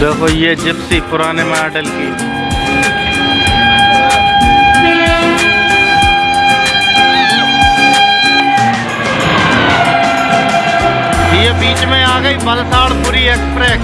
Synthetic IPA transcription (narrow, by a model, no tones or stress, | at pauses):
d̪eːkʰojed͡ʒɪbsipʊɾaːnemaːɖəlki | bijebiːt͡ʃmẽaːɡəibəlsaːɽpuːɾieːkspɾeː